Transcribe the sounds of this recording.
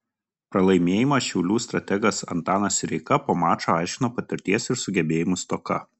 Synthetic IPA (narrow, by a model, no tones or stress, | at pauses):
pɾɐlˠɐɪmʲeːjɪmɐʃʲɛʊlʲuːst̪ɾɐt̪ʲɛɡɐsɐ̰nt̪ɑːnɐsʲɾʲɛɪkɐpoːmɑːt͡ʃoːɑˑɪʃʲkʲɪnoːpɐt̪ʲɪɾʲt̪ʲiɛsɪɾsʊɡʲɛbʲeːjɪmʊst̪ɔːkɐ